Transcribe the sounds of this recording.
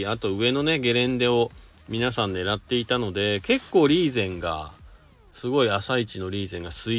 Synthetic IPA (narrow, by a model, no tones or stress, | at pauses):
at̪o̞ɯ̟e̞no̞ne̞ɡe̞ɾẽ̞nd̪e̞o̞mʲinasãnːe̞ɾat̪ːe̞it̪ano̞d̪e̞ke̞kːo̞ːɾʲiːzẽ̞ŋɡa̰ | sɨɡo̞iasait͡ɕino̞ɾʲiːzẽ̞ŋɡasɨi